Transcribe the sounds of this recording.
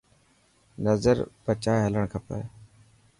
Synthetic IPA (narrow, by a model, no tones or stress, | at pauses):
nəzəɾbət͡ʃaːɦɦələɳ̃kʰəpə̰